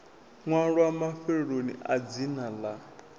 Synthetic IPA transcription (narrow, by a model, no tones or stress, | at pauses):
ŋwaɺwamafɛɺonḭad͡zinala